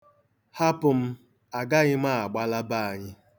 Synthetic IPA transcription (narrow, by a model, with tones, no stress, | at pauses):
ha˦pʊ˨m̩˦ | a˨ɡa˦ɲɪ˦mʷa˦˨a˨ɡ͡ba˦la˦ba˦a˨ɲɪ˦